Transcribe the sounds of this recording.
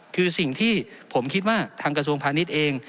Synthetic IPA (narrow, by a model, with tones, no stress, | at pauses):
kʰɯː˧si˨˩ŋt̪ʰiː˥˩pʰo˩˦mkʰi˦˥t̪̚waː˥˩t̪ʰaː˧ŋkɾa˧s̬u˧əŋpʰaː˧ni˦˥t̪̚ʔeː˧ŋ